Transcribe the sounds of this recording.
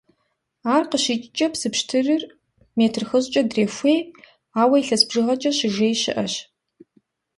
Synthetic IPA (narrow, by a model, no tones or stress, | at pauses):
aːrqəɕit͡ʃʼt͡ʃʼɐpsɨpʃtʰɨrɨr | meːtʰrxəzt͡ʃʼɐdreːfʷeː | aːwɐiɬɐsbʒɨʁɐt͡ʃʼɐɕɪʒeːjɕɪ̰ʔɐɕ